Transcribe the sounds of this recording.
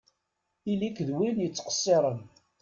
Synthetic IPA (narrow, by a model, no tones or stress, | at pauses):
ilikðwinjət͡sːqə̥sˤːeɾˤən